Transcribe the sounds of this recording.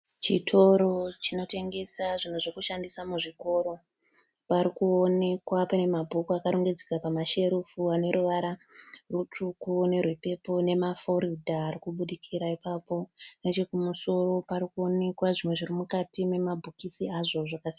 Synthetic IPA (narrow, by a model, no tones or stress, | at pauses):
t͡ʃitʰo̞ɾo̞t͡ʃino̞te̞ŋɡe̞saʐin̤uʐekuʃandisamuʐiko̞ɾo̞ | paɾikuone̞kwapane̞mabʱokuakaɾoŋɡed͡zekapamaʃe̞ɾufuane̞ɾuʋaɾarut͡ʂukune̞rwepe̞po̞ne̞mafo̞ɾidʱaːɾikuɓuɗikʰiɾaipapo̞net͡ʃe̞kumuso̞ro̞paɾikuo̞ne̞kwaʐimwe̞ʐirimukatime̞mabʱukisiaʐo̞ʐakasi